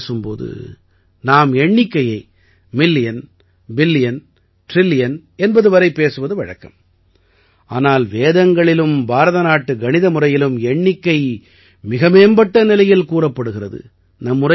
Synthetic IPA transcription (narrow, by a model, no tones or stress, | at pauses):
sɯmpo̰ːðɯ̰ | naːmɛɳːɪkːɐjɐɪ | mɪlːɪjɐn | bɪlːɪjɐn | ʈɾɪlːɪjɐn | ɛnbɐðɯʋɐɾɐɪpːeːsɯʋɐðɯʋɐɻɐ̰kːɐ̰m | ʔaːnaːlʋeːðɐŋɡɐɭɪlɯmbaːɾɐðɐnaːʈːɯɡɐnɪðɐmʊrɐjɪlɯmɛɳːɪkːɐɪ | mɪɣɐmeːmbɐʈːɐnɪlɐjɪlkuːrɐpːɐɽɯɣɪrɐðɯ̰ | nɐmːɯrɐ